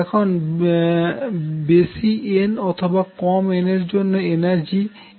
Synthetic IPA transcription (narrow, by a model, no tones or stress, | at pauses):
ɛkʰon | besienɔt̪ʰobakɔmeneɾd͡ʑonːoenaɾd͡ʑi